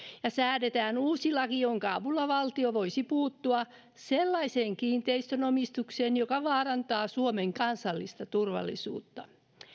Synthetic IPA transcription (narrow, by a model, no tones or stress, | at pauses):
jɑsæːdet̪æːnuːsilːɑkijoŋkɑɑʋulːɑʋɑlt̪ioʋoisipuːt̪ːuɑ | selːɑiseːŋkiːnt̪eist̪ønomist̪ukseːnjokɑʋɑːrɑnt̪ɑːsuomeŋkɑnsɑlːist̪ɑt̪urʋɑ̰lːḭsṵːt̪ːɑ